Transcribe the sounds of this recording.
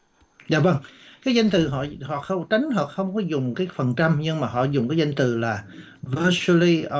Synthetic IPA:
za̰ː˨və˧ŋkaː˨˦jzə˧jŋ̟t̪ɨ˨˩ɦɔ̰˧˨hɔ̰˧˨xə˧wŋ͡mt͡ɕa˨˦ŋ̟ɦɔ̰˨xə˧wŋ͡mkɔ˨˦zʊ˨˩ŋ͡mkaː˨˦jfə˨˩nt͡ɕa˧mɲɨ˧ŋmaː˨˩ɦɔ̰˧˨zʊ˨˩ŋ͡mkaː˨˦jzə˧jŋ̟t̪ɨ̰˨˩laː˨˩ | və˧su˧li˧

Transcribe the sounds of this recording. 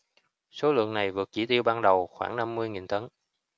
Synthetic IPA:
so˨˦lɨ̰˧˨əŋna˨˩jvɨ˨˩ət̚t͡ɕi˧˩t̪i˧əwɓaː˧nɗə˨˩wxwaː˧˩ŋna˧mːɨ˧əjŋi˨˩nt̪ə˨˦n

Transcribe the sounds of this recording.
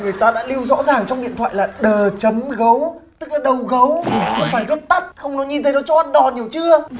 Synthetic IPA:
ŋɨ˨˩əjt̪aː˧ɗa̰ː˧˥li˧wzɔ̰˧˥zaː˨˩ŋt͡ɕɔ˧wŋ͡mɗḭ˧˨ənt̪ʰa̰ː˧˨jlaː˨˩ɗəː˨˩t͡ɕə˨˦mɣə˨˦w | t̪ɨ˦˥k̚laː˨˩ɗə˨˩wɣə˨˦wxə˧wxɔ˧ŋ͡mfaː˧˩jzə˦˥t̚t̪ə˦˥t̚xə˧wŋ͡mnɔ˨˦ɲi˧nt̪ʰə˨˦nɔ˨˦t͡ɕɔ˧˦ʔa˧nɗɔ˨˩ɲi˨˩əwt͡ɕɨ˧ə

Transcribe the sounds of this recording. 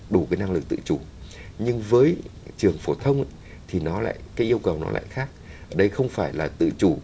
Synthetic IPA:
ɗu˧˩kaː˨˦jna˧ŋlɨ˨˩k̚t̪ɨ̰˧˨t͡ɕu˧˩ɲɨ˧ŋvəː˨˦jt͡ɕɨ˨˩əŋfo˧˩t̪ʰə˧wŋ͡mʔ | t̪ʰi˨˩nɔ˨˦la̰ː˧˨jkaː˨˦jʔi˧əwkə˨˩wnɔ̰˨˦la̰ː˧˨jxaː˦˥k̚ | ʔəː˧˩ɗə˧jxə˧wŋ͡mfaː˧˩jlaː˨˩t̪ɨ̰˧˨t͡ɕu˧˩

